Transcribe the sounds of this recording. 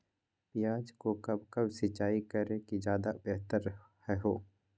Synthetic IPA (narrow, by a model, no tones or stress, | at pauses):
pɪjaːd͡ʒkokɐbkɐbsɪt͡ʃaːikəɾẽkid͡ʒjaːd̪abɛɦt̪əɾ | hɛɦoː